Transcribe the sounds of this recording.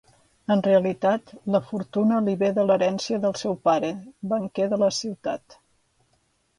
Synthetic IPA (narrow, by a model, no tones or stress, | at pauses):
ənreəlit̪at̪ləfuɾt̪unəliβeðələɾɛnsiəðəlˠsɛwpaɾəβəŋkeðələsiwt̪at̪